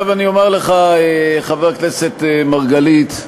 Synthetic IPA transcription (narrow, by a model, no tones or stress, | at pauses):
vanio̞meʁleχaeχaveʁkneset̪emaʁɡalit̪